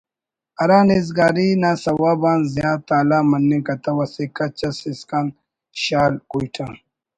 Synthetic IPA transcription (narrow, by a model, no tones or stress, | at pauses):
ɐɾãːnizɡaːɾinasɐwaːbãːnzijaːt̪aːlaːmɐnːẽkɐt̪ɐwɐsekɐt͡ɕɐsiskan | ɕaːlkuiʈʰa